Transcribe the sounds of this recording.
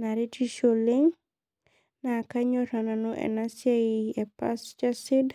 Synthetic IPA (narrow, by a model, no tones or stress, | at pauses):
naɾitiʃoliŋ | nakaɲɔɾananoʔɛ̰nasjaɛpast͡ʃasɪd